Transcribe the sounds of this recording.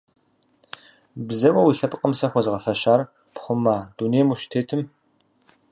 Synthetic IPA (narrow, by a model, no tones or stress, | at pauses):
bzɐwɐwiɬɐpʼqʼəmsɐxʷɔzʁɐfɐɕaːr | pχʷʊmaːduːneːmuʃtʰeːtʰɨm